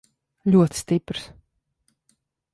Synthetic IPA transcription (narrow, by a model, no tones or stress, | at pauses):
lʲuɔt̪st̪ipɾs